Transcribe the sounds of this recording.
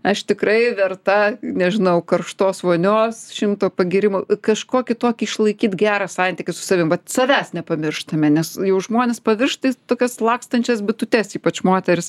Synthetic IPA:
ɐʃt̪ʲɪkɾɐɪʋʲɛrt̪ɐnʲɛʒʲɪnɐʊkɐrʃt̪oːsʋoːnʲoːsʃʲɪmt̪oːpɐɡʲiɾʲɪmokɐʃkoːkʲɪt̪oːkʲɪɪʃlˠɐɪkʲiːt̪ɡʲæːɾɐsɑnʲt̪ʲɪkʲɪsʊ̥sɐʋʲɪmʋɐt̪sɐʋʲæːsnʲɛpɐmʲɪrʃt̪ɐmʲɛnʲɛsjɛʊʒmoːnʲɛspɐʋʲɪrʃt̪ɐɪt̪oːkʲɛslˠɑːkst̪ɐnʲt͡ʃʲɛsbʲɪt̪ʊt̪ʲɛsiːpɐt͡ʃmoːt̪ʲɛɾʲɪs

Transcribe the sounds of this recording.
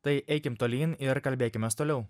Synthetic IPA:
t̪ɐɪʔɛɪkʲɪmt̪oːlʲiːnɪɾkɐlʲbʲeːkʲɪmʲɛst̪oːlʲɛʊ

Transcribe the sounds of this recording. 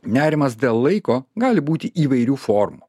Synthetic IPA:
nʲæːɾʲɪmɐsd̪ʲeːlˠlˠɐɪkoːɡɑːlʲɪbuːt̪ʲɪʔiːʋɐɪɾʲuːfɔːɾmu

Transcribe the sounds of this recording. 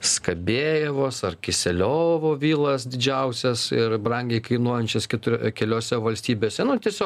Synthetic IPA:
skɐbʲeːjɛʋoːsɐrkʲɪsʲɛlʲoːʋoːʋʲiːlˠɐsd̪ʲɪd͡ʒʲɛʊsʲɛsɪrbrɐŋʲɡʲɛɪkɐɪnuɔjɛnʲt͡ʃʲɛskʲɛt̪ʊkʲɛlʲoːsʲɛʋɐlʲsʲt̪ʲiːbʲeːsʲɛnʊt̪ʲiɛsʲoːk

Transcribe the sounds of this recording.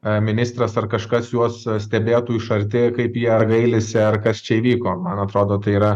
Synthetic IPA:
mʲɪnʲɪst̪ɾɐsɐrkɐʃkɐsjuɔssʲt̪ʲɛbʲeːt̪uːɪʃɐɾʲt̪ʲɪkɐɪpjiɛɐrɡɐɪlʲɪsʲɛɐrkɐst͡ʃʲɛiːʋʲiːkoːmɐnɐt̪ɾoːd̪oːt̪ɐɪiːɾɐ

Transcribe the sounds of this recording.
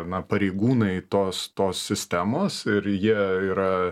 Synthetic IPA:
nɐpɐɾʲeɪɡuːnɐɪt̪oːst̪oːssʲɪsʲt̪ʲæːmoːsɪɾjiɛiːɾɐ

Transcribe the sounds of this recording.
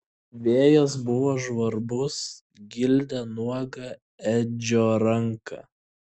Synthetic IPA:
ʋʲeːjos̬bʊʋoːʒʋɐɾbʊs | ɡʲɪlʲd̪ʲɛnuɔɡɐ | ɛd͡ʒʲoːɾɐŋkɑ̰

